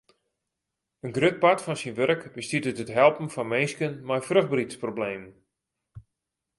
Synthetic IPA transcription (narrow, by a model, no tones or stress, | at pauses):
ənɡrøt̚patfɔnsinʋørəkbəstitətətɦɛlˠpən̩fɔnmejskənmajfrøχbritsprobleːmn